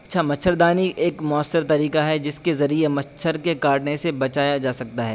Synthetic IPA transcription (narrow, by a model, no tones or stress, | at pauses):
ɐtːʃʰamɐt͡ʃʰːəɾd̪aːniʔeːkmʊəsːəɾt̪ɐɾiːkaɦɛd͡ʒɪskezɐɾiemɐtːʃʰəɾkekaːɾʈnesebɐt͡ʃaːjad͡ʒaːsɐk̚t̪aɦɛː